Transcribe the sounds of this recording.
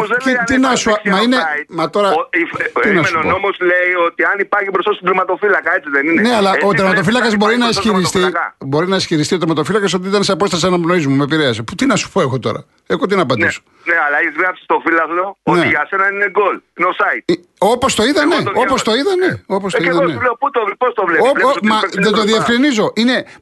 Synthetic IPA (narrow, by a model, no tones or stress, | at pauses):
zit̪inɐsumɐineimɐt̪o̞ɾɐit̪inɐsuoomosleiot̪iɐnipɐɾçipɾost̪ɐst̪id̪ɾimɐt̪o̞filɐkɐe̞t͡siðenineneɐlɐot̪ɾeɾmɐt̪o̞filɐkɐzbo̞ɾinɐesçiɾist̪iɐbo̞ɾinɐesçiɾist̪io̞t̪ɾmɐt̪ofilɐkɐso̞t̪iit̪ɐnseɐpo̞st̪ɐseɐnɐpnoizmumepiɾeɐsput̪inɐsu̥poe̞xo̞t̪o̞̰ɾɐ̰ | exot̪inɐpɐnd̪iso̥ | neɐlɐeçizɣɾɐpsi̥st̪o̞filɐzleoooneiʝɐse̞nɐnineɡolineosɐit̪̚ | opo̞st̪o̞iðɐneo̞post̪o̞iðɐne̞opost̪oeiðɐneleut̪opost̪ovleoommɐðed̪oðiefkɾinizo̞ʔine̞